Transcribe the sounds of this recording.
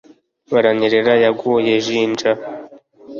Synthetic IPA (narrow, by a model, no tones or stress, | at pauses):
βaɾaɲiɾeɾajaɡujeʒiːnd͡ʒa